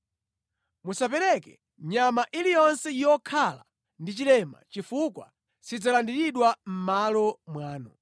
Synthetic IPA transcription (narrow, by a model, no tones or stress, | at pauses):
musapɛɾɛkɛ̰ | ɲamaʔilijɔnsɛjjɔkʰala̰ | ndit͡ʃilɛma̰t͡ʃifukwa̰ | sid͡zalandiɾiɗwam̩malɔmwaːnɔ